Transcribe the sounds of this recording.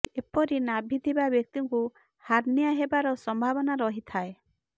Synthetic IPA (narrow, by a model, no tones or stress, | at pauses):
epɔɾinabʱid̪ʱibabjɔk̚t̪iŋku | haɾniaɦebaɾɔsɔmbʱabɔnaɾɔɦit̪ʰae